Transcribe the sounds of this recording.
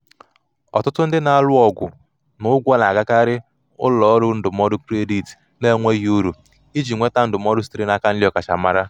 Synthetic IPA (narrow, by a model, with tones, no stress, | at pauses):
ɔ̰˨tʊ˦tʊ˦n̩˦dɪ˦na˨a˦lʊ˦ɔ˨ɡʷʊ̰˨ | nʊ˨ʊ˦ɡʷɔ˦na˨ɡa˦ka˦ɾɪ˦ | ʊ̰˦lɔ˨˦ɾʊ˦n̩˦dʊ˨mɔ˦dʊ˦kɾe˦di˨t | ne˦ŋʷe˦ɦu˦ɾu˨ | i˦d͡ʒi˨ŋʷe˦ta˦n̩˦dʊ˨m˦ɔ˦ɾʊ˦s̬tɾe˦na˦ka˦n̩˦lɔ˨ka˨t͡ʃa̰˨ma˦ɾa˦